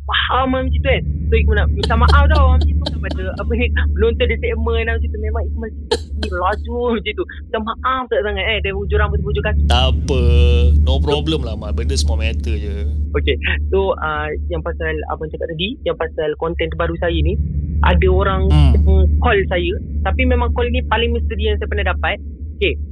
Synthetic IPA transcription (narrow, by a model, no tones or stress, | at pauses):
wahamãmd͡ʒit̪uansoikumənamət͡ʃamaʔafd̪awaməd͡ʒit̪uakəpadəapənimənont̪ɔndisɛʔmənat͡ʃit̪umẽmãŋikmansikat̚səkiəlad͡ʒuməd͡ʒit̪umət͡ʃamaʔaft̪aʔsaŋat̪̚ɛdabud͡ʒuɾaŋpət̪ubəud͡ʒukast̪apənopɾobləmlamãbəndəsəmuamɛt̪əd͡ʒəokesoəjaŋpasala̰pət͡ʃakat̪̚laɡijaŋpasalkɔnt̪ɛnt̪əbaɾusajəniʔa̰dəoɾaŋaŋkɔlsajət̪apimẽmãŋkɔlinipalɪŋmə̃st̪idijaŋsajəpərnahdapat̪̚ | oke